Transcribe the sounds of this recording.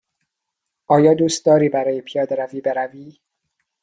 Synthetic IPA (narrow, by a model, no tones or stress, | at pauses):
ʔɒːjɒːd̪uːst̪̚d̪ɒːɾiːbæɾɒːjepʰijɒːd̪eɾæviːbeɾæviː